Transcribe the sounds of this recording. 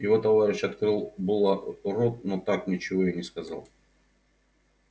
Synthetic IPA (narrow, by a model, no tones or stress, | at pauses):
jɪvo̞t̪ɐvaɾʲɪɕɐt̪kɾɨlˠbɨlˠəʊɾok̪not̪aknʲɪt͡ɕɪvo̞janʲɪskɐza̰lˠ